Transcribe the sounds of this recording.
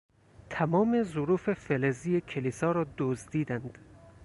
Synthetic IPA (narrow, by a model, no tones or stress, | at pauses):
t̪ʰæmɒːme̞zʊɾuːfe̞felezijekʰeliːsɒːɾɒːd̪ozd̪iːd̪ænd̪̥